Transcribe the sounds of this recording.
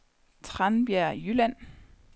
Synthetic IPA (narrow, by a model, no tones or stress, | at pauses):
t͡sʰʁanb̥jæɐ̰jylæn̰